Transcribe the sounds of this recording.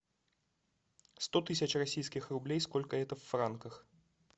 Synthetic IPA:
st̪ot̪ɨsʲət͡ɕrɐsʲijskʲɪxrʊblʲejskolʲkəɛt̪əfːrankəx

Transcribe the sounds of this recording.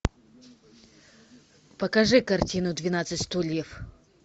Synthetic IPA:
pɐkɐʐɨkɐrtʲinʊd̪vʲɪnat̪sɨtʲst̪ulʲjɛf

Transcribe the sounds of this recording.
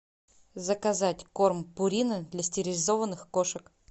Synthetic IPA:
zəkɐzatʲko̞rmpʊɾʲinəd̪lʲɐsʲtʲɪɾʲɪlʲɪzo̞vənːɨxkoʂək

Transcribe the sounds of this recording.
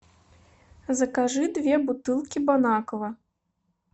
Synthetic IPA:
zɐkaʐɨd̪vʲɛbut̪ɨlˠkʲibɔnakɐvɐ

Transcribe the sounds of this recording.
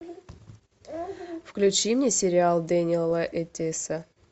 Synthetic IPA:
fklʲʉt͡ɕimnʲesʲɪɾʲɪalˠd̪enʲɪlˠəʔɛtʲesə

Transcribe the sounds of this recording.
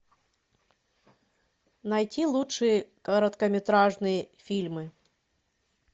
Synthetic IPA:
nɐjtʲilˠutʂɨjəkəɾət̪kəmʲɪt̪ɾaʐnɨjəfʲilʲmɨ

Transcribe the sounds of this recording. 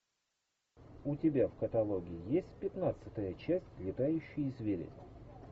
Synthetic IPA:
ʊtʲɪbʲafkət̪ɐlˠoɡʲɪɪjesʲtʲpʲɪt̪nat̪sɨt̪əjət͡ɕæsʲtʲlʲɪt̪ajʉɕːɪjzʲvʲeɾʲɪ̰sʲ

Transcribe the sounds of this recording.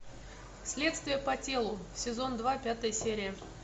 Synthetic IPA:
sʲlʲet̪st̪vʲɪjəpɐtʲe̞lˠʊsʲɪzo̞nd̪vapʲat̪əjəsʲeɾʲɪjə

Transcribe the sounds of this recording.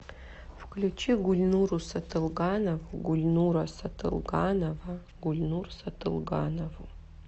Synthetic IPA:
fklʲut͡ʃʰiɡulʲnuɾusɐtʰɨlˠɡanɐvuɡulʲnuɾɐsɐtʰɨ̰lˠɡanɐvɐ | ɡulʲnursɐtʰɨlˠɡanovu

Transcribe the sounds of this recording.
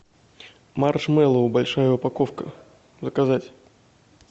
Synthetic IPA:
marʂmɛlˠəʊbɐlʲʂajəʊpɐkofkə̰ | zəkɐzatʲ

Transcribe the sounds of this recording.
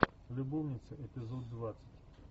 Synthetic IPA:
lʲʊbɔwnʲɪt̪sʲɐʔɛpʲɪzɔd̪ːʋat̪sʲɪ̥tʲ

